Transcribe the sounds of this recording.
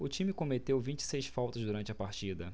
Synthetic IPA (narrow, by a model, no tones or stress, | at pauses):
ʊt͡ʃĩmɪkõmet̪ewvĩt͡ʃɪ̥sejsfawt̪ɐzd̪uɾɐ̃nt͡ʃɪɐpaɾt͡ʃid̪ɐ